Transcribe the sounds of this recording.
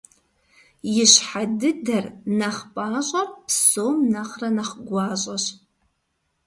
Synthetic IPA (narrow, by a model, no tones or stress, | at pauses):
jɪɕħadɨdɐrnɐχpʼaːɕʼɐrpsoːmnɐχrɐnɐχɡʷɑːɕʼɐɕ